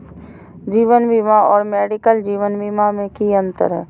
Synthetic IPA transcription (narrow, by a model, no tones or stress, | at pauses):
d͡ʒiːʋənbimaɔːɾmɛːɖɪkəld͡ʒiːʋənbimamẽkiə̃nt̪ə̰ɾɦɛː